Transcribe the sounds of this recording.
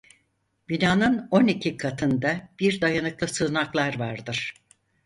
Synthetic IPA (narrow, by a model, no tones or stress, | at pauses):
b̥inaːnɯno̞nicʰikʰat̪ʰɯnd̪ab̥iɾd̪ajanɯklˠɯsɯːnaklˠaɾvaɾd̪ɯɾ̥